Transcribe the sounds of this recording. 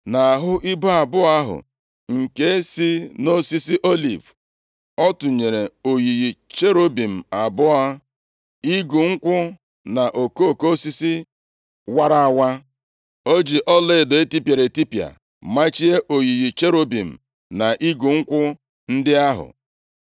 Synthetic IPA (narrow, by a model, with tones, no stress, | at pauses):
na˨a˨ɦʊ˦ʔi˦bo˦a˨bʊ˦a˦ɦʊ̰˨ | ŋ̩˨ke˦si˦no˦si˦si˦ʔo˦lḭ˨v | ɔ˦tʊ˨ɲe˨ɾe˨o˨ji˨ɣi˨t͡ʃe˦ɾo˦bi˨m̩˨a˨bʊ˦a˦ | i˦ɡu˨ŋ̩˦kʷʊ˦ | na˨ʔo˨ko˦˨ko˦si˦si˦ | wa˦ɾa˦˨wa˦ | o˦d͡ʒi˨ʔɔ˦lɪ˦˨do˨e˦ti˦pe˨ɾe˨ti˦pja̰˨ | ma˦t͡ʃi˦e˦ʔo˨ji˨ɣi˨t͡ʃe˦ɾo˦bi˨m̩˨ | na˨ʔi˦ɡu˨ŋ̩˦kʷʊ˦ | n̩˦dɪ˦a˦ɦʊ̰˨